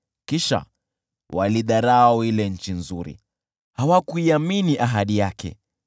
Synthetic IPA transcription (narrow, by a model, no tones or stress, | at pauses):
kiʃa̰ | wʔa̰liɗaɾaailɛɲ̩t͡ʃinzuɾḭ | hawakuiaminiʔaɦaɗijakɛ̰